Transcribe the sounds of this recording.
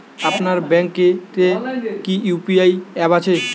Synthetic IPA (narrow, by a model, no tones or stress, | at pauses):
apnaɾbɛŋketekiupiajɛbat͡ɕʰe